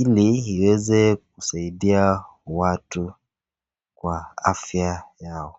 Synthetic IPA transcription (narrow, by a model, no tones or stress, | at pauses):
iliiwɛzɛk̚usaiɗia | watu | kwaafjajaɔ